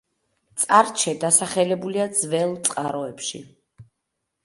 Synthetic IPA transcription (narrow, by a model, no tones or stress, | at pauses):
t̪sʼaɾt͡ʃʰɛd̪asaχɛlɛbuliad̪zvɛlˠt̪sʼqʼaɾɔɛpʃḭ